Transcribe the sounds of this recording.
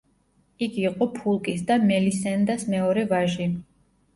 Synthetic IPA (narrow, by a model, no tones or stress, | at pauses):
ikʰiqʼɔpʰulˠkʼisd̪amɛlisɛnd̪asmɛɔɾɛvaʒi